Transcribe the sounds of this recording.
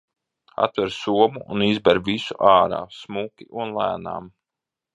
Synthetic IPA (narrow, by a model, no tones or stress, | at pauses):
a̰t̪vɛɾsuɔmuʔːnizbɛɾvisuʔaːɾa̰ːsmukʲiʔunlˠæːna̰ːm